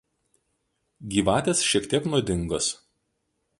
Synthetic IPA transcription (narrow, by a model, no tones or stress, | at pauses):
ɡʲiːʋɑːt̪ʲeːsʃʲiɛkt̪ʲiɛknuɔd̪ʲɪŋɡos